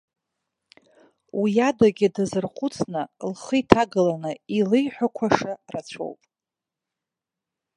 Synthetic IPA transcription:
wijadaɡʲɪdazɨrχʷʊt͡sʰnɨlχəjtʰaɡɨlanɨilɨjħʷᶣakʷʰaʂarat͡ɕʷʰo̞̰wpʼ

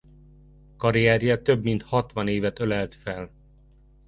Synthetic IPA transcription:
kɒɾiɛːɾjɒt̪øbmint̪hɒt̪ʋɒneːvɛt̪ølɛlt̪fɛl

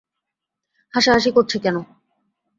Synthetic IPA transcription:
haʃaɦaʃikoɾt͡ɕʰekɛno

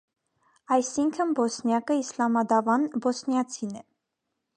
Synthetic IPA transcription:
ɑjsiŋkʰənbɔsnjɑkəislɑmɑd̪ɑvɑnbɔsnjɑt͡sʰinɛ

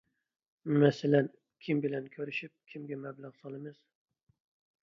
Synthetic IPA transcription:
mɛsɛlɛn | kʲʰimbɪlɛnkʲʰøɾyʃip̚kʲʰimɡʲɛmæblaʁsɑlˠɨmɨz̥

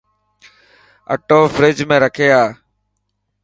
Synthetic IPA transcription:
ə̰ʈoːfɾɪd͡ʒmẽːɾəkʰeːaː

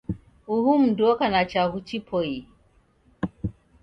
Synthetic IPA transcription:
uhum̩dɔkanat͡ʃaɣut͡ʃipʰɔji

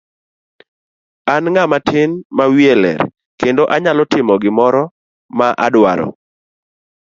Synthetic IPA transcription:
anŋamatʰɪnmawielɛ̰ɾ | kendoʔaɲalɔtɪmɔɡɪmɔɾɔ | maʔa̰dwa̰ɾɔ̰

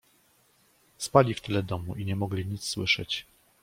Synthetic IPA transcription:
spalʲift̪ɘlɛd̪ɔmuʔiɲɛmɔɡlʲiɲit̪sswɘʂɛ̰t͡ɕ

